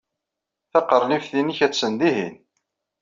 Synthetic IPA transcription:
θɑqəɾˤlifθiniçæt͡sːənd̪iɦḭn

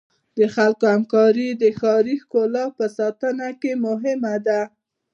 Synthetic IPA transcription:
d̪əxalkohamkɑɾid̪əxɑɾixkolɑpəsɑt̪ənakemʊɦɪmad̪a

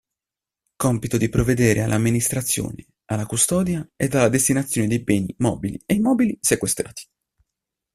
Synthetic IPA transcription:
kɔmpit̪od̪ipɾovːed̪eːɾʔea̰lːʔamːinist̪ɾat̪sːjo̰ːne | alːakust̪ɔːd̪jaɛd̪alːad̪est̪inat̪sːjoːned̪ejbɛːnimɔ̰ːbilḭejmɔːbilisekwest̪ɾaːt̪ʰi̥

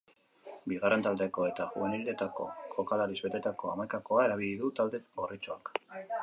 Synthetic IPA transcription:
biɣare̞nt̪ald̪eko̞e̞t̪aʝṵeneɾilet̪ako̞̰kokalaɾizβe̞t̪e̞t̪ako̞amajkako̞ae̞ɾaβ̞iliðut̪ald̪e̞ɡorit͡ʃo̞ak

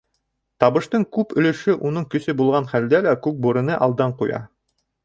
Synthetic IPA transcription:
t̪ɑβɤ̆ʃt̪ɤɴkʉpɵ̆lɵ̆ʃɵʔunɤɴkɵ̆sɵbulˠʁɑnχæld̪ælækʉk̚buɾɤ̆nɤʔɑlˠd̪ɑɴqujɑ̰

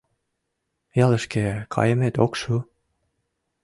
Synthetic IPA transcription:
jɑlə̆ʃkekʰɑ̰jəmet̪okʃu

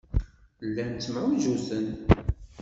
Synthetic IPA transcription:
lːænt͡s̪ːmʕwiʒusən

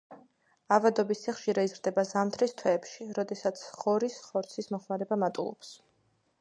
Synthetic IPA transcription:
avad̪ɔbisʰɛχʃiɾaizɾd̪ɛbazamt̪ʰɾist̪ʰwɛːpʃiɾɔd̪ɛsat̪sʰχɔɾisχɔɾt̪sʰismɔχmaɾɛbamat̪ʼṵlˠɔ̰ps

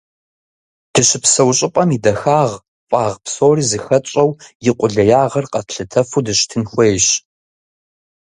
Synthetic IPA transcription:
d̥ɨɕɪpsɐwɕʼɪpʼɐmidɐxaːʁ | pʼɑːʁpsoːriːzɨxɐt͡ʃʼɐwjɪqʷʊɮɐjaːʁɐrqɐtɬɨtʰɐfudɨɕtʰɨnxʷejɕ

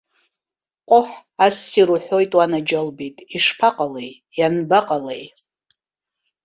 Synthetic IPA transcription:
qʷʼʊħasːiɾuħʷo̞jtʼwanad͡ʒalbitʼiʂpʰaqʼalej | janbaqʼalej

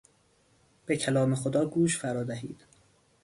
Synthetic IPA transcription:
b̥ecʰælɒːmexod̪ɒːɡuːʃfæɾɒːd̪æɦiːd̪̥

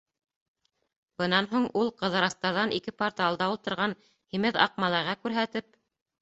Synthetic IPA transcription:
bɤ̆nɑnɦuɴulˠqɤ̆ðɤ̆ɾɑst̪ɑɾðɑnʔikɘpoɾt̪ɑlˠd̪ɑulˠt̪ɤ̆ɾʁɑn | himɘðɑ̰q̚mɑlˠɑɾʁɑkʉɾɦæt̪ɘp̚

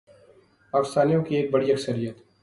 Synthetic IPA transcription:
paːkɪst̪aːnijõkieːk̚bɐɽiɐksəɾijət̪

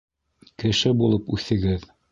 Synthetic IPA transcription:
kɘ̆ʃɘbulˠɤpʉθɘ̆ɡɘð

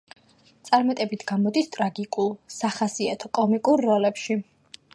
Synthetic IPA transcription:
t̪sʼaɾmat̪ʼɛbit̪ʰɡ̥amɔd̪ist̪ʼɾaɡikʼulˠsaχasiat̪ʰɔkʼɔmikʼuɾːɔlɛpʃi

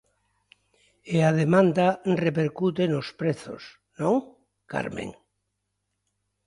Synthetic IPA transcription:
eað̞emãnd̪arepeɾkut̪̬enospɾeθo̰s | nõŋ | ka̰ɾmḛ̃ŋ

